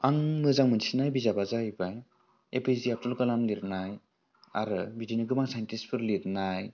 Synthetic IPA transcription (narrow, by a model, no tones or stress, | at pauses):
aŋmɯzaŋmɯnsʰinajbizabazaibaj | epʰiziap̚tulkɯlamliɾnaj | a̰ɾɯbidiniɡɯmaŋsajntispʰɯɾliɾnaj